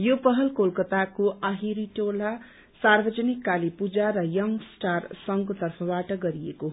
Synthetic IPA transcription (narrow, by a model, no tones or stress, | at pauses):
jopʌɦʌlkolkʌt̪akoaɦiɾiʈola | sarbʌd͡zʌnikːalipud͡zaɾʌjʌŋsʈarsʌŋkot̪ʌrpʰʌbaʈʌɡʌɾieko